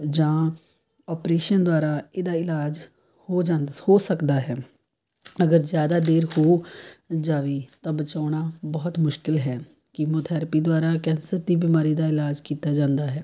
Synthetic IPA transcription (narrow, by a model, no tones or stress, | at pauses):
d͡ʒãː | ɔːpɾeːʃənd̪ʊaːɾaːeːd̪aːɪlaːd͡ʒ | hoːd͡ʒaːhoːsəkd̪aːɦɛː | əɡəɾzjaːd̪aːd̪eːɾhoː | d͡ʒaːʋiːt̪ãːbət͡ʃaːɳaːbɔɦt̪mʊʃkɪlɦɛː | kɪmoːt̪ʰaːɾpiːd̪ʊaːɾaːkɛ̃ːnsəɾd̪iːbiːmaːɾiːd̪aːɪlaːd͡ʒkiːt̪aːd͡ʒãːnd̪aːɦɛː